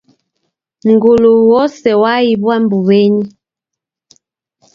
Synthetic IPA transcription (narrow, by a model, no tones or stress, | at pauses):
ŋɡuluwɔsɛwaibwambuβeɲi